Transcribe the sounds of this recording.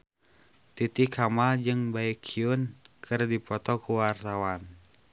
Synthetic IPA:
t̪it̪ikʰamald͡ʒɨŋbaikʰːiunkʰɨrdipɔt̪ɔkuwart̪awan

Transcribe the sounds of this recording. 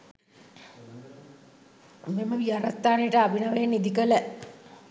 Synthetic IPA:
meməʋiaɾat̪ːaːneʈəabinaʋenid̪ikələ

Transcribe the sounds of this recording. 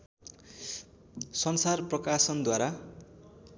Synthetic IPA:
sʌnsarprʌkasʌnd̪waɾa

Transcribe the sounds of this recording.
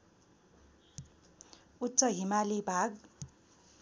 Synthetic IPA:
utːt͡sʌɦimalibʱaɡ

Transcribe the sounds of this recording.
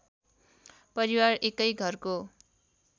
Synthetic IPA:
pʌɾiwarekʌjɡʱʌrko

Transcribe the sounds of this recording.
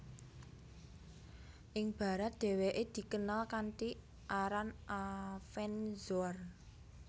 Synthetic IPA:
ʔɪŋb̥a̤ɾat̪̚d̪̥ɛ̤weʔed̪̥i̤kənalkanti | ʔaɾanʔafɛnzɔr

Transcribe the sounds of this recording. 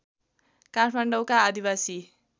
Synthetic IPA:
kaʈʰmaɳɖʌwkaːd̪ibasi

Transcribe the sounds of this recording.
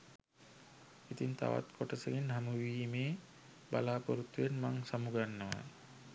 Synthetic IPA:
it̪int̪ʰa̰ʋa̰t̪kʰɔʈəseɡinɦamuwiːmeː | ba̰laːpoɾut̪ːuenmaŋsamuɡanːaa̰

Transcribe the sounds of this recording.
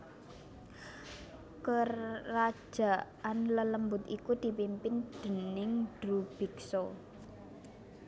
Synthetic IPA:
kərḁʒ̥a̤ | anlələmbʊt̪ikud̪̥i̤pimpɪnd̪̥ə̤nɪŋd̥ɾub̥i̤ksɔ

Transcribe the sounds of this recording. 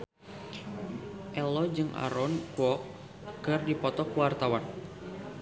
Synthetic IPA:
ʔɛlɔd͡ʒɨŋʔa̰ɾɔnkuɔ | kɨrdipɔt̪ɔkuwart̪awan

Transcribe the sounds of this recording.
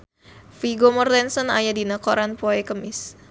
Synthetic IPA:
fiɡomɔrdɛnsɔnajadinakɔɾanpɔɛkəmɪs

